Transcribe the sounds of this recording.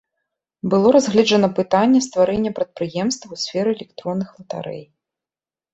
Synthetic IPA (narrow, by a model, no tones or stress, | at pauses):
bɨlˠɔɾazɣlʲɛd͡ʐɐnɐpɨt̪anʲːɛst̪vaɾɛnʲːɛpɾɐt̪̚pɾɨjɛmst̪vwsʲfʲɛɾɨɛlʲɛkt̪ɾɔnːɨxlˠɐt̪a̰ɾɛ̰j